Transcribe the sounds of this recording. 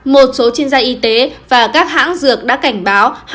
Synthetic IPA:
mo˨˩t̚so˨˦t͡ɕi˧ənzaː˧ʔi˧t̪e˨˦vaː˨˩kaː˦˥k̚ha̰ː˧˥ŋzɨ˨˩ək̚ɗa̰ː˧˥ka˧˩jŋ̟ɓaː˨˦wh

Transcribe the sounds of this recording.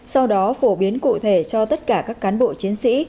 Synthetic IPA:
sa˧wɗɔ˨˦fo˧˩ɓi˨˦ənkṵ˧˨t̪ʰe˧˩t͡ɕɔ˧t̪ə˦˥t̚kaː˧˩kaː˦˥kːaː˨˦nɓo̰˧˨t͡ɕi˨˦ənsḭ˧˥

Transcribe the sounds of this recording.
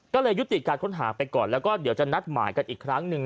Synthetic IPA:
kɔː˥˩lɤː˧jːu˦˥t̪i˨˩kaː˧nkʰo˦˥nɦa̰ː˩˦pa˧jkɔː˨˩nlɛː˦˥wkɔː˥˩di˩˦wt͡ɕa˨˩na˦˥t̪̚ma̰ː˩˦jka˧nʔiː˨˩kʰɾa˦˥ŋnɯ˧ŋ

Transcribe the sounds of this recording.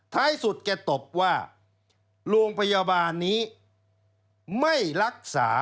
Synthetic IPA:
t̪ʰaː˦˥˩jsu˨˩t̪̚kɛ˧˩t̪o˨˩p̚waː˥˩ | ɾoː˧ŋpʰa˧ja˧baː˧nːiː˦˥ | ma˥˩jɾa˦˥k̚sa̰ː˩˦

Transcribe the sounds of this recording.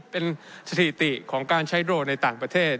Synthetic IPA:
pe˧nsa˧t̪ʰi˨˩t̪i˨˩ʔkʰɔː˩˦ŋkaː˧nt͡ɕʰa˦˥jdɾoː˧na˧jt̪aː˨˩ŋpɾa˧t̪ʰeː˥˩t̪̚

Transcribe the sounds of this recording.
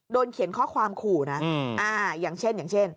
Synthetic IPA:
doː˧nkʰi˨˩˦nkʰɔː˥˩kʰwaː˧mkʰuː˨˩na˦˥ʔaː˧jaː˨˩ŋt͡ɕʰe˥˩njaː˨˩ŋt͡ɕʰe˥˩n

